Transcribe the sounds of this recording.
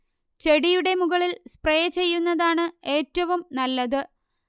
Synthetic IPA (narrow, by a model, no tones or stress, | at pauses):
t͡ɕe̞ɽijuɽe̞muɣɐɭilsprejɐt͡ɕe̞jːunːɐðaːɳɨe̞ːtːɐʋumnɐlːɐðɨ